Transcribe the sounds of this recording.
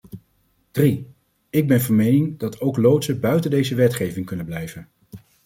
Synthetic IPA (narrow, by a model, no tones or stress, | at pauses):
d̥ri | ɪɡ̚bɛnvɑnmejnɪŋdɑtʰowklowtsəbœɥtəndejzəʋɛtχejvɪŋkɵnənblɛjvən